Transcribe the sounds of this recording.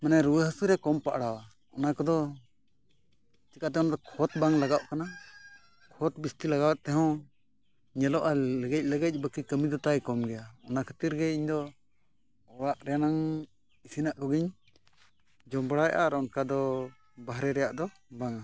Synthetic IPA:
manajɾuwəɦəsuɾɛkɔmpaʔɽawa | ɔnakɔd̪ɔ | t͡ʃikat̪ɛɔ̃nad̪ɔkʰɔt̪̚baŋlaɡaʔkana | kʰɔt̪̚bist̪ilaɡawɛʔ̪̚t̪ɛɦɛ̃ | ɲɛlɔʔaləɡɛc̚ˀləɡɛc̚ˀbəkikəmid̪ɔt̪ajkɔmɡɛjaɔnakʰə̥t̪iɾɡɛiɲd̪ɔ | ɔɾaʔɾɛjanaŋ | isinaʔkɔɡiɲ | d͡ʒɔmbɽajʔaɾɔɔnkad̪ɔ | baɦɾɛɾɛjaʔd̪ɔ | baŋa

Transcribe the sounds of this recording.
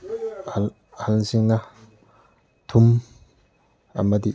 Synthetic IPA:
halsiŋna | t̪ʰum | a̰mat̪i

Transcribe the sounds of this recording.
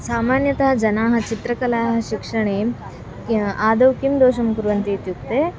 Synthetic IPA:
saːmaːnjɐt̪ɐɦɐd͡ʒɐnaːɦɐ̆t͡ʃit̪ɾɐkɐlaːɦɐ̆ʃikʂɐɳeː | aːd̪ɐwkimd̪oːʃɐmkuɾʋɐnt̪iːt̪juk̚t̪eː

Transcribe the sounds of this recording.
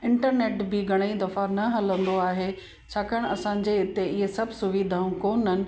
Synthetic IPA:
ɪ̃ɳʈəɾneːʈbɪɡʱɐɽ̃əid̪ɐfanɐɦɐlə̃nd̪oaːɦeː | t͡ɕʰaːkɐɽ̃ɐsãːɲ̆d͡ʑeɪt̪eɪɦesɐbʱsʊʋid̪ʱaːũkoːnɦɪnɪ̆

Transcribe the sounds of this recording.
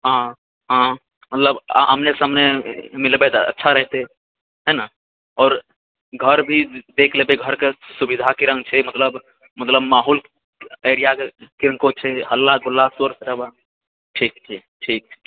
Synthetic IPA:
ɦã | ɦã | mət̪ləb̰ɦəmnesamnemɪlbet̪aə̰tːʃʰaɾɛɦt̪eɛ | ɦɛna | ɔːɾ | ɡʱəɾbʱid̪eːkʰlebeɡʱəɾkesubid̪ʱakiɾə̃ŋɡ̚t͡ʃʰɛmət̪ləb | mət̪ləbmaːɦul | eːɾijakkɪɾə̃ŋkõt͡ʃʰeɦəlːaɡʊlːasəɾsɾəba | ʈʰiːkt͡ʃʰe | ʈʰiːk̚ʰː

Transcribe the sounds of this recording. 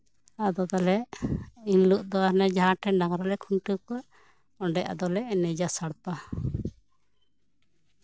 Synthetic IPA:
ad̪ɔd̪ɔlɛʔinluʔd̪ɔaɾnɛd͡ʒaɦãʈɛnɖaŋɾɔlɛkʰunʈukɔʔ | ɔɳɖɛʔa̰d̪ɔlɛʔnɛd͡ʒasaɽpa

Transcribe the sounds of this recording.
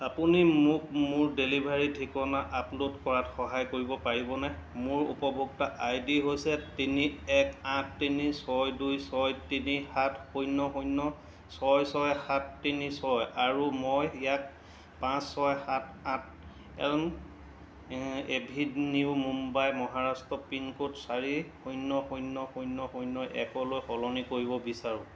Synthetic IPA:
apunimʊkmʊɹdelibʱaɹitʰikɔnaʔaplutkɔɹatxɔɦajkoɹibɔpaɹibɔnɛmʊɹṵpɔbʱuktaʔajdiɦojsɛtiniɛkãtʰːinisɔjdujsɔjtinixatxojnɔxojnɔ | sɔjsɔjxatʰːinisɔjaɹumojjak̚ | pãsːɔjxatãt̚ʰ | ɛ̰lm | ebʱidniʊmumbajmɔɦaɹastɔpinkotsaɹixujnːɔxujnːɔxujnːɔxujnːɔjʔɛkɔlojxɔlɔnikoɹibɔbisaɹʊ̃

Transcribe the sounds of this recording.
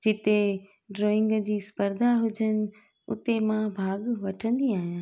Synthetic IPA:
d͡ʑɪt̪e | ɖɾoːɪ̃ŋɡd͡ʑiːspəɾd̪ʱaɦʊd͡ʑənɪ̆ | ʊ̰t̪emãbʱaːɡʋɐʈʰə̃nd̪iaːɦijãː

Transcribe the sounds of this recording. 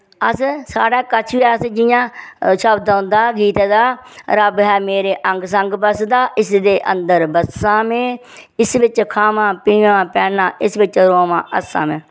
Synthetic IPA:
əssaːɽaːkət͡ʃʰʋiəsd͡ʒɪjãːʃəbd̪ãːnd̪aːɡiːt̪ed̪aːɾəbɦɛːmeːɾeːʔəŋɡs̬əŋɡbəsd̪aːʔɪsd̪eːʔə̰̃nd̪əɾbəsãːmẽː | ɪsʋɪt͡ʃkʰaːmãːpiːãːpɛːnãːʔɪsʋɪt͡ʃɾoːmã̰ːʔəsa̰ːmẽː

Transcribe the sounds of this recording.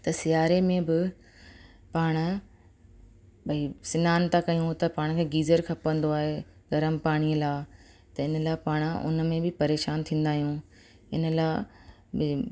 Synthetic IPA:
t̪ɐsɪjaːɾemẽbɪ | paːɽ̃̆ | bʱɐisɪnaːnt̪akɐjũt̪ɐpaːɽ̃kʰeːɡiːzəɾkʰɐpə̃nd̪oaːɦeɡɐɾəmpaːɽ̃iːəlaː | t̪ɐɪnə̆laːepaːɽ̃ʊ̰nmẽbɪpɐɾeːʃaːnt̪ʰĩːn̆d̪aːɦijũ | ɪ̰nə̆laː | bɪ

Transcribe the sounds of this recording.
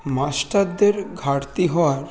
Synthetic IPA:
masʈaɾd̪eɾɡʱaɾt̪iɦɔaɾ

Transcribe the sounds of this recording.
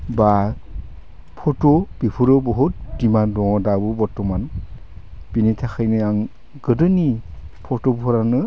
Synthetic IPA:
ba | pʰɔtob̥ipʰuɾɔbɔɦut̚dimandɔŋɔdabɯbɔɾtɔman | binitʰaxʰajnɯaŋ | ɡɯdɯni | pʰɔtɔbpʰɔɾanɯ

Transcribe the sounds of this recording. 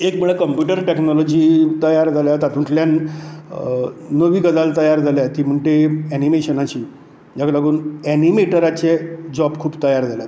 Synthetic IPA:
ekmuɭekəmpjuʈəɾʈeknɔlɔd͡ʑiːt̪əjaɾd͡zʱaljat̪at̪ʰũʈljan | əʋiːkəd̪alt̪əjaɾd͡zʱaljat̪iːm̤əɳʈ̪eɛnimeɕənat͡ɕiː | d͡ʑaklaɡuːnɛnimeʈəɾat͡ɕed͡ʑɔbkʰuːbt̪əjaɾd͡zʱaljat̪

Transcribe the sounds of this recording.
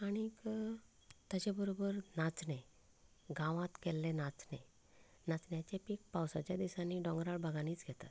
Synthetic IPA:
aɽ̃ik | t̪at͡ɕabəɾobəɾnat͡sne | ɡãʋãt̪kɛlːenat͡sne | nat͡snjat͡ɕepik̚pawsat͡ɕjad̪isãnːiːɖɔ̃ŋɡɾaɭbʱaɡaniːt͡sɡʱɛt̪at̪

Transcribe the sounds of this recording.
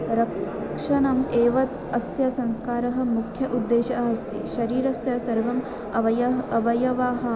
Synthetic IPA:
ɾɐkʂɐnɐmeːʋɐt̪ | ɐsjɐsɐŋskaːɾɐɦɐ̆mukʰjɐʔud̪ːeːʃɐʔɐɦɐst̪ḭʃɐɾiːɾɐsjɐsɐɾʋɐm | ɐʋɐjɐɐʋɐjɐʋaːɦɐ̆

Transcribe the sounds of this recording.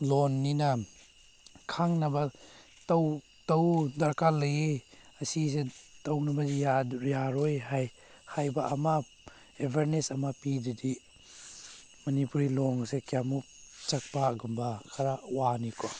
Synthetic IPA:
lɔnːina | kʰaŋnaba | tɐw | tɐwdaɾkalɐjeasisetɔwnabazijajaɾɔjɦaj | hajbaʔama | ebʱeɾnesamapididi | mɐnipuɾilɔŋsekjamuk̚t͡ʃak̚paɡumbakʰaɾawanikɔ

